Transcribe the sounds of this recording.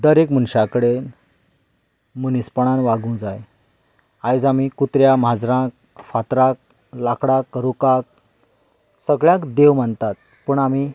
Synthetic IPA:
d̪əɾekmənɕakəɽe | munispəɳ̃anʋaɡũd͡zaj | ajd͡zamikut̪ɾjamɦad͡zɾãk̚ | fat̪ɾak̚ | lakɽakɾukak̚ | səɡɭjakd̪eʋm̤əɳt̪at̪̚ | pəɳami

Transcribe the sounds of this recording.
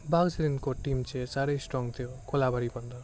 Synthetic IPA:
bʱaɡseɾinkoʈimt͡ʃʰesaɾejsʈɾɔŋɡt̪ʰijokolabʱaɾipɔnd̪ʱɔ

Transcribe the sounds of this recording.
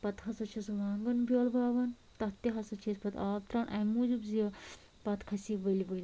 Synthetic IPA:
pɐt̪ɦɐsɐt͡ʃʰisuʋaːnɡɐnbʲjoːlbaːʋɐn | t̪ɐɦt̪iɦɐsɐt͡ʃʰispɐt̪ʰɐ̰ːt̪ɾaːnʔɐ̰muːzubzijɐ | pɐt̪kʰɐsiʋəlʲibəlʲ

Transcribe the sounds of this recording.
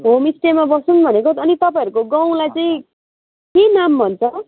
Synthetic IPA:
ɦomisʈemabʌsunbʱʌnekoʌnit̪ʌpaĩʌɾukoɡaw̃lajt͡saĩ | kenambʱʌnt͡sʰʌ

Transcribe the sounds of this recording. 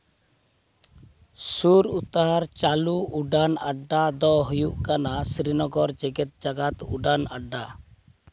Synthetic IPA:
suɾut̪ɦaɾt͡ʃaluuɖanaɖːad̪ɔɦujuʔkanasɾinɔɡɔɾd͡ʒɛɡɛt̪̚d͡ʒaɡat̪uɖanaɖːa

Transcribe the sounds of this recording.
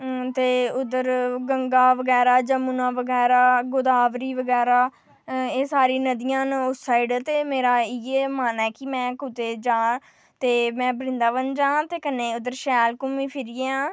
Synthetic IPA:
t̪eːʊd̪əɾɡəŋɡaːʋəɡɛːɾaːd͡ʒəmuːnãːʋəɡɛːɾaːɡʊd̪aːʋɾiːʋəɡɛːɾaː | eːsaːɾiːnəd̪ɪjãːnʊsaːiɖt̪eːmeːɾaːɪjeːmaːnɛːkɪmɛ̃ːkʊt̪eːd͡ʒãː | t̪eːmɛ̃ːbɾɪ̃nd̪aːʋənd͡ʒãːt̪eːkənːeːʊd̪əɾʃɛːlkʊmĩːpʰɪɾɪãː

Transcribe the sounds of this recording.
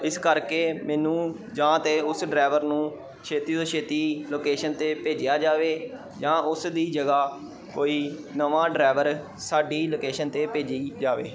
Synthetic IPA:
ɪskəɾkeːmɛːnũː | d͡ʒãːt̪eːʊsɖɾɛːʋəɾnũː | ʃʰeːt̪iːd̪oːt͡ʃʰeːt̪iːloːkeːʃənt̪eːpeːd͡ʒɪjaːd͡ʒaːʋeː | d͡ʒãːʊsd̪iːd͡ʒəɡaː | koːiːnəʋãːɖɾaːʋəɾ | saːɖiːloːkeːʃənt̪eːpeːd͡ʒiːd͡ʒaːʋḛː

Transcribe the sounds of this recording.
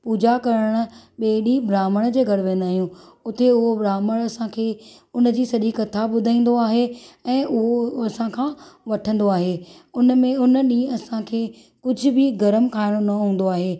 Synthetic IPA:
puːd͡ʑakɐɾəɽ̃ʊ̆ɓeːɗibɾaːməɽ̃d͡ʑeːɡʱɐɽʋẽːn̆d̪aːɦijũʊt̪eʊɦobɾaːməɽ̃ɐsãkʰeː | ʊnd͡ʑiːsɐʄikɐt̪ʰaɓʊd̪ʱaĩːn̆d̪oaːɦeɛ̃ːʔʊɦoɐsãkʰãːʋɐʈʰə̃nd̪oaːɦeːʊnmẽʊnɗĩːɐsãkʰeː | kʊd͡ʑʱʊ̆bɪɡɐɾəmkʰaːɪɽ̃onɐɦũːnd̪oaːɦeː

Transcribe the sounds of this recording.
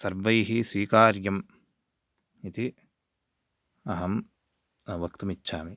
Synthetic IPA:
sɐɾbɐjɦisʋiːkaːɾjɐm | it̪i | ɐɦɐm | ɐʋɐkt̪umitːʃʰaːmi

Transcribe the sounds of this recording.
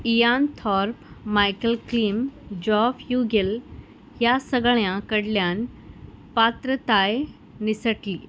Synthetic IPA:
ijant̪ʰɔɾpmajkəlklimd͡ʑɔfjuɡil | ɦjasəɡɭjãkəɽljan | pat̪ɾət̪aj | nisəʈliː

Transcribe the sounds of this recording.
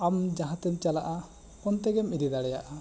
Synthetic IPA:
amd͡ʒaɦãt̪ɛmt͡ʃalaʔa | kɔnt̪ɛɡɛmiɾid̪aɽɛjaʔa

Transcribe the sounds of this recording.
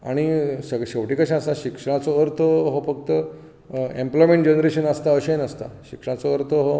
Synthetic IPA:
a̰ɽ̃isəɡɕeʋʈikaɕãasaɕikʂəɽ̃at͡sɔəɾt̪ʰəɦofək̚t̪ə | emplɔjmẽɳʈ̚d͡ʑenɾeɕənəst̪aəɕenəst̪a̰ɕikʂəɽ̃at͡sɔəɾt̪ʰəɦo

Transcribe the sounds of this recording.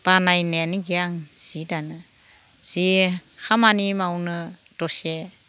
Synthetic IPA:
b̥anajneniɡiaŋz̥idanɯ | z̥ihamanimawnɯ | d̥ɔse

